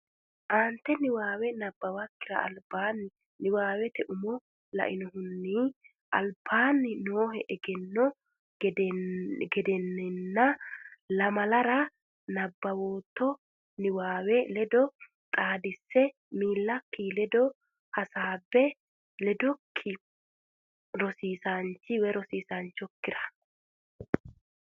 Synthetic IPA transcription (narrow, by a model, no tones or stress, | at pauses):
ʔaːnt̪ːɛnɪwaːwɛnɐbːɐwɐkːɪɾɐ̰ɐ̰lbaːnːɪ | nɪwaːwɛt̪ɛʔʊmɔ | lɐ̰ʔɪnɔhʊnːi | ʔɐ̰lbaːnːɪnoːhɛʔɛɡɛnːɔ | ɡɛd̪ɛnːɛnːɐlɐmɐlɐɾɐ | nɐbːɐwoːt̪ːɔ | nɪwaːwɛlɛd̪ɔ | t̪ʼaːd̪ɪsːɛ | miːlːɐkːilɛd̪ɔ | hɐsaːbːɛ | lɛd̪ɔkʰːɪ | ɾɔsiːsant͡ʃːɪwɛɾɔsiːsant͡ʃːɔkːɪɾɐ̥